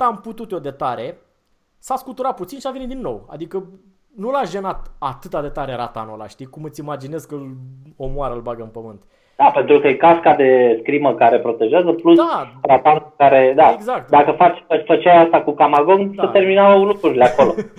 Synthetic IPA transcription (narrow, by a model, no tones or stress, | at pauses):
amput̪ut̪od̪e̞t̪aɾe̞ | saskut̪uɾat̪̚put̪sinʃiavenid̪inːo̞̰wa̰d̪ikə | nulaʒe̞nat̪at̪ɨt̪ad̪e̞t̪aɾe̞ɾat̪a̰nola̰ʃt̪ikumɨt̪sʲimad͡ʒine̞skɨl | omwaɾəɨlbaɡəɨnpəmɨnt̪ | d̪̥ape̞nt̪ɾukəjekaskad̪e̞skɾiməkaɾe̞pɾo̞t̪e̞ʒeazəplusarat̪anukaɾe̞d̪aeɡzakt̪d̪akəfat͡ʃʲəfət͡ʃajast̪akukamaɡoŋsət̪e̞rminalukɾuɾileako̞lo̞